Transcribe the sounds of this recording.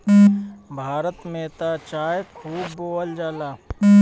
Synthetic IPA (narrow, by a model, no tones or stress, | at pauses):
bʱaːɾət̪meːt̪at͡ʃaːjkʰuːbːoːəld͡ʒaːlaː